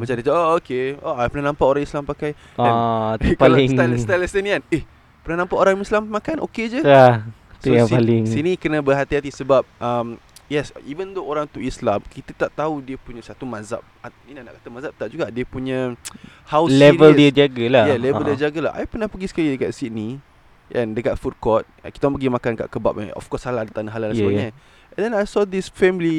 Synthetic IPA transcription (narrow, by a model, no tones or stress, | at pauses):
mãt͡ʃamdit̪aʔookeoʔajpənahnãmpaʔoɾãŋislampakaj | anpalŋlst̪alɛst̪ənianeh | pənahnãmpaʔoɾaŋislamːakanʔo̰ked͡ʒəa | tsujãŋsalɪŋsinĩkənabərɦat̪iɦat̪isəbap̚ʔam | jɛsivənd̪ooɾaŋt̪uislamkit̪ət̪aʔt̪audiəpuɲə̃sat̪umaza̰p̚a | indahnaʔkḁt̪əmazap̚t̪aʔ̚d͡ʒuɡaʔdiəpuɲə̃hawlɛvələd͡ʒaɡəlajɛlɛvəldiəd͡ʒaɡəla̰ha̰jpənahpəɡisə̥kalidəkat̪̚sit̚ni | ʔɛ̃ndəkat̪̚fut̪̚kɔt̪̚kit̪amãpəɡimakanka̰ʔkəba̰p̚a̰ɔ̰fkɔsalaadat̪anaɦalalasəbəɲə̃ | ɛndɛnajsɔd̪isfɛmli